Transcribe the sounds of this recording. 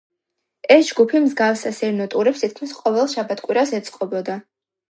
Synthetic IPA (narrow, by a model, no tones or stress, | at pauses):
ɛsd͡ʒɡupʰimzɡafsasɛɾnɔt̪ʼuɾɛpst̪ʰit̪̚kʰmisqʼɔvɛlˠʃabat̪ʰkʼwiɾasɛt̪sʼqʼɔbɔd̪a